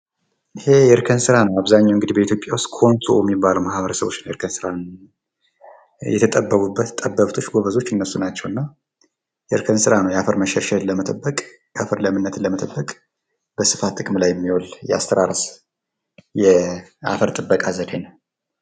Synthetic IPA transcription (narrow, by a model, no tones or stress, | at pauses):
ʔɨhe̞jɛɨɾkʰənsɨɾanəwaβzaɲːawŋɡɨd̪ihbəit̪jo̞pʼːjawʊst̪kʰo̞nt̪ʰujɛmːibːalumahβəɾəsəβo̞t͡ʃːɪnɛɾkʰənsɨɾan | jɛ̰t̪ʰət̪ʼəbːəβubːət̪t̪ʼəbːəβt̪ʰo̞t͡ʃːɡo̞βəzo̞t͡ʃːɨnːəsunat͡ʃːɛwɨnːa | jɛɨɾkʰənsɨɾanəwjɛafəɾməʃɛɾʃɛləmət̪ʼəbːəkʼ | jɛafəɾləmɨnːət̪ɨləmət̪ʼəbːəkʼ | bəsɨfat̪ʰʼːɨkʼmlajːɛmːiwoljɛa̰st̪ʰəɾaɾəs | jɛa̰fəɾt̪ʼɨbːəkʼazəd̪enəw